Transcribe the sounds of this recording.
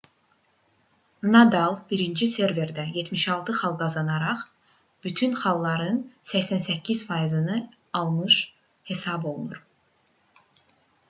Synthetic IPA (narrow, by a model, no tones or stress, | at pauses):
nɑd̪ɑlˠbiɾind͡ʒise̞ɾve̞ɾd̪æje̞t̪miʃɑlˠt̪ʰɯχɑlˠɡɑzɑnɑɾɑχ | b̥yt̪ʰynχɑlˠlːˠɑɾɯnsæçsænsæcʰːiz̥fɑjizɯnɯ | ɑlˠmɯʃ | he̞sɑbo̞lˠunuɾ